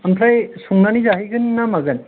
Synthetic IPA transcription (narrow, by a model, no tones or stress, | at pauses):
ampʰɾajsuŋnanizaɦiɡɯnːamaɡɯn